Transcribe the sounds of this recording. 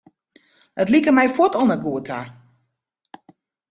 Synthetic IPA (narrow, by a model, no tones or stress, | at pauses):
ətlikərmɛjfɔtɔlˠnət̚ɡuətʰa̰